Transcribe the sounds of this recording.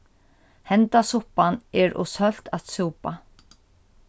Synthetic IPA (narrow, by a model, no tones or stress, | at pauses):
hɛnt̪asʊhpanɛɾʔɔ̰sœl̥t̪asuwpa